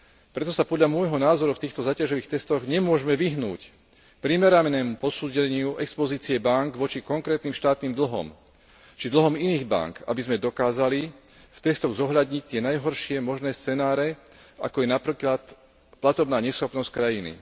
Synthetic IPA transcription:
pɾɛt̪ɔsapɔd̪ʎamʊɔjɦɔnaːzɔɾuft̪iːxt̪ɔzaːcaʒɔʋiːxt̪ɛst̪ɔɣɲɛmʊɔʒmɛʋiɦnṵːc | pɾimɛɾamɛnɛːmupɔsuːɟɛɲɪuʔɛkspɔziːt͡siɛbaŋkʋɔt͡ʃikɔŋkɾɛːt̪niːmʃt̪aːt̪niːmd̪l̩ɦɔ̰m | t͡ʃid̪l̩ɦɔminiːɣba̰ŋka̰bizmɛd̪ɔkaːzali | ft̪ɛst̪ɔɣzɔɦʎad̪ɲic̚t̪ɪɛnajɦɔɾʃɪɛmɔʒnɛːst͡sɛnaːɾɛa̰kɔjɛnapɾiːklat̪ | plat̪ɔbnaːɲɛsxɔpnɔsckɾajinḭ

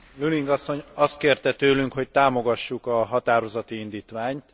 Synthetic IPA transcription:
lyliŋɡɒsːo̞ɲɒst̪̚keːrt̪ɛt̪øːlyŋkhoc̚t̪aːmo̞ɡɒʃːukɒɦɒt̪aːɾo̞zɒt̪iind̪iːt̪ʋaːɲt̪

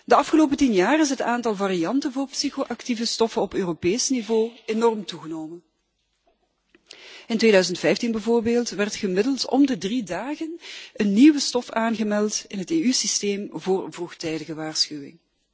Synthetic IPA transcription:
dəɑfχəloːp̬ətinjaːrɪs̬ɦətaːntɑlˠvariɑntənvʊːrpsixoʔɑktivəstɔfənɔpøːropeːsnivoːenɔrmtuɣənoːwmən | ɪntʋeːdœɥzəntfɛjftinbəvoːrbeːlˠtʋɛrtχəmɪdəlˠtɔ̰mdədridaːɣənənːiʋəstɔfaːnɣəmɛlˠtɪnɦəteːysisteːmvʊːrvruxtɛjdəɣəʋaːrsxywɪ̰ŋ

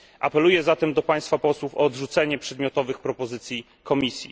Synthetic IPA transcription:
ʔapɛlujɛzat̪ɛmd̪ɔpaj̃st̪fapɔswufɔːd̪ʐut̪sɛɲɛpʂɛd̪mjɔt̪ɔvɘxpɾɔpɔzɘt̪sʲji | kɔmʲisʲjḭ

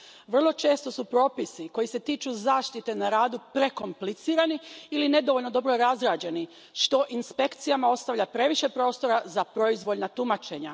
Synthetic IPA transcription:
ʋr̩lˠo̞t͡ʃe̞ːst̪o̞supɾo̞ːpisiko̞jise̞t̪iːt͡ʃuzaːʃt̪it̪e̞naɾaːd̪upɾe̞ko̞mplit̪siːɾaniiline̞d̪o̞ʋoʎʲno̞d̪o̞bɾo̞ɾazɾaːd͡ʑe̞ni | ʃt̪o̞ʔinspe̞kt̪sijamao̞st̪aʋʎʲapɾe̞ʋiʃe̞pɾo̞ːst̪o̞ɾazapɾo̞izʋo̞lnat̪umat͡ʃe̞ɲa̰

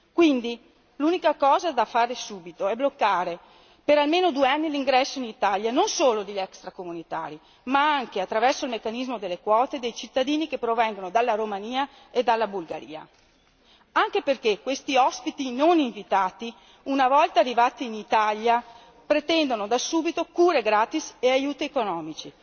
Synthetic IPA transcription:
kwind̪i | luːnikakɔːzad̪afaːɾesuːbit̪oɛblokːaːɾe | peɾalmeːnod̪ueanːiliŋɡɾɛsːoinit̪aljanonsoːlod̪elːɛkst̪ɾakomunit̪a̰ːɾi | maaŋkeat̪ːɾavɛrsoilmekːanizmod̪elːekwɔːt̪ed̪ejt͡ʃit̪ːad̪iːnikepːɾovɛŋɡonod̪alːaɾomaniːa | ed̪alːabulɡa̰ɾḭːa̰ | aŋk̟eperkekːwest̪iɔspit̪inoniɱvit̪aːt̪i | unavɔlt̪aːrːivaːt̪iːnit̪alja | pɾet̪ɛnd̪onod̪asuːbit̪okuːɾeɡɾaːt̪iseajuːt̪iekonɔːmit͡ʃi

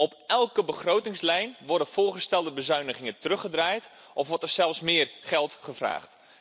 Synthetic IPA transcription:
ɔpɛlˠkəbəχrowtɪŋslɛjnʋɔrdəfʊːrχəstɛlˠdəbəzœɥnəχɪŋətərɵχədraːjt | ʔɔfʋɔɹtərsɛlˠfsmɪərχɛlˠtχəvra̰ːχt

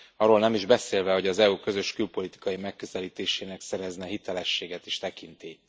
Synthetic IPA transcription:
ɒroːlnɛmiʒbɛseːlvɛɦo̞ɟɒzɛuːkø̞zø̞ʃkylpo̞lit̪i̥kɒjimɛkːøzɛliːt̪eːʃeːnɛksɛɾɛznɛɦit̪ɛlɛʃːeːɡɛt̪iʃt̪ɛkint̪i

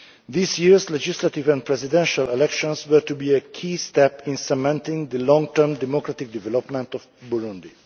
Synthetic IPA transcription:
ðisjiɹslɛd͡ʒɪslatɪvæ̃npʰɹɛsɪdɛ̃nʃalɛlɛkʃɔ̃nswə˞tubiəkʰiːstɛpɪ̃nsəmɛ̃ntɪ̃ŋðəlɔ̃ŋtʰɜ˞mdɛmɔkɹatɪk̚d̪ɪvɛlɔpmɛ̃ntɔvbuɹʊ̃nd̪i

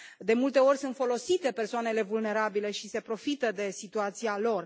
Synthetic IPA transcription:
d̪e̞mult̪e̞o̞rʲsunt̪fo̞lo̞sit̪e̞pe̞rsoane̞le̞vulne̞ɾabile̞ʃise̞pɾo̞fit̪əd̪e̞sit̪uat̪sialo̞r

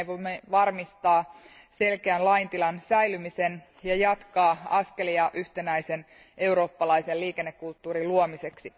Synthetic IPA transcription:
jʋomːeʋɑrmist̪ɑː | se̞lkeænlɑjnt̪ilɑnsæjlymise̞n | jɑjɑt̪kɑːɑske̞liɑʔyht̪e̞næjse̞n | e̞uɾo̞ːpːɑlɑjselliːke̞nːekːult̪ːuːɾiluomise̞ksi

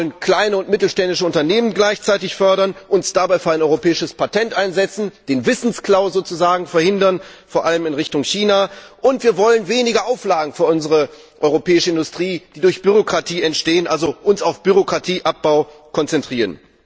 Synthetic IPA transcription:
lənkl̥aɪnəʊntmɪtl̩ʃtɛndɪʃəʊntɐneːmənɡlaɪçt͡saɪtɪçfœɐɾɐnʔʊnsd̥abaɪfyːɐaɪnɔʏʁopʰɛːɪʃəspʰatʰɛntʔaɪnzɛt͡sn̩d̥eːnvɪsn̩skl̥aʊzoːt͡suzaːɡŋ̩fɛɐhɪndɐnfoːɐʔaləmɪnʁɪçtʊŋçiːnaʔʊntv̥iːɐvɔlənveːnɪɡɐʔaʊflaːɡŋ̩fyːɐʔʊnzəʁə | ʔɔʏʁopɛːɪʃəɪndʊstʁ̥iːd̥iːdʊɐçb̥yʁokʁ̥atʰiːɛntʃteːənʔalzoʔʊnsaʊfb̥yʁokʁ̥atʰiːʔap̚b̥aʊ | kʰɔnt͡sɛntʁ̥iːʁən

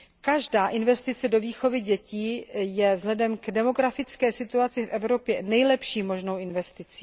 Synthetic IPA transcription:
kaʒdaːʔɪnvɛst̪ɪt͡sɛdo̞viːxo̞vɪɟɛciːjɛvzlɛdɛmɡdɛmo̞ɡɾafɪt͡skɛːsɪt̪uat͡sɪfʔɛvɾo̞pjɛnɛjlɛpʃiːmo̞ʒno̞wɪnvɛst̪ɪt͡siː

